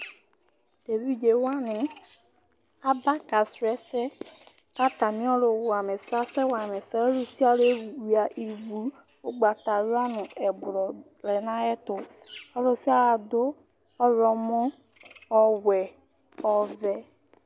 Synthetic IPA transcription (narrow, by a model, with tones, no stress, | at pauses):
d̪̥e˨vi˦d͡ʒe˨wa˦nɪ̃˨ | a˦ba˦ka˨sɛ˦sɛ˦ | ka˦t̪a˨mĩ˦ɔ˦lo˨wa˨mɛ̃˨sa˦sɛ˦wa˨mɛ˨sɛ˦lu˦si˦a˦le˦˨wi˨a˨ʔi˨vu˨˦ | o˦ɡ͡ba˨t̪a˨ɾu˦a˦nʊ̃˨ɛ˨blɔ˨ | lɛ˨nã˦ɛ˦t̪ʊ˨ɔ˦lʊ˦si˦a˦a˨do˦ | ɔ˦ɾɔ˨mɔ̃˦ | ɔ˨wɛ˨ | ɔ˨vɛ˨